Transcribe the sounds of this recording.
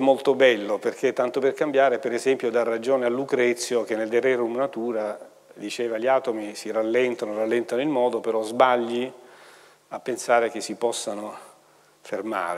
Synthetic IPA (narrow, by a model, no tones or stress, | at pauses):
mːolt̪obɛlːoperkʰet̪ːant̪operkambjaːɾepeɾezɛmpjod̪arːad͡ʒoːnealːukɾɛt̪sːjok̟enːeld̪erɛɾumnat̪uːɾa | d̪it͡ʃeːvaʎiaːt̪omisiralːɛnt̪anoralːɛnt̪anoilmɔːd̪opeɾɔzbaʎːi | apːensaːɾek̟esːipɔsːano | ferma̰ːɾe